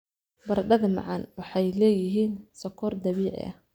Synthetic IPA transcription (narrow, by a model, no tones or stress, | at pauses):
bɐɾɐɖɐðɐmɑ̰ʕɑnwɑħɑjlɛːjɪɦiːnsɐkʰɔːrd̪ɐβiːʕɪ̰ʔɐ̰h